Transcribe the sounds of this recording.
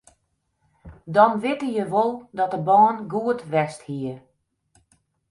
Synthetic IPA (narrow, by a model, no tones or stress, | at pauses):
dɔnʋɪtəjəʋolˠdɔt̚dəbɔːnɡuətʋɛsthiə